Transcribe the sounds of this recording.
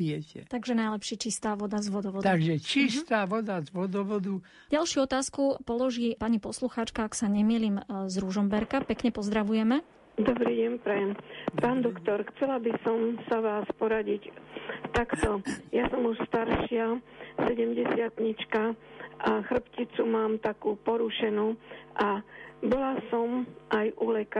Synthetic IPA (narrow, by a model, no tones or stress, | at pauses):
ɪjɛcɛ̰t̪aɡʒɛnajlɛpʃiːt͡ʃist̪aːʋɔd̪azʋɔd̪ɔʋɔd̪aɡʒɛt͡ʃist̪aːʋɔd̪azʋɔd̪ɔʋɔd̪u | ɟalʃɪuɔt̪aːskupɔlɔʒiːpaɲipɔsluxaːt͡ʃkaaksaɲɛmiːlimzɾuʒɔmbɛɾkapɛkɲɛpɔzd̪ɾaʋujɛmɛ | d̪ɔbɾiːɟɛɲpɾɛjɛmpaːnd̪ɔkt̪ɔɾxt͡sɛlabisɔmsaʋaːspɔɾaɟict̪akt̪ɔjasɔmuʃst̪aɾʃɪasɛɟɛmɟɛsɪat̪ɲit͡ʃkaʔaxr̩pcit͡sumaːmt̪akuːpɔɾuʃɛnuːʔabɔlasɔmʔajʔulɛk